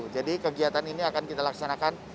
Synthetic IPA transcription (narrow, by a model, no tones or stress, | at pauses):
ud͡ʒadikəɡiat̪aniniakankit̪alaksanakan